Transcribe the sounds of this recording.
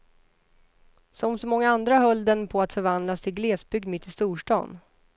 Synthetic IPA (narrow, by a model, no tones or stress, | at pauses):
sɔmsɔmɔŋːaand̪ɾaɦœlːd̪ɛnpʰɔat̪fœɾvand̪last̪ʰɪlɡleːsbʏɡ̚d̪mɪt̪ʰːɪst̪uːʂʈɑ̰ːn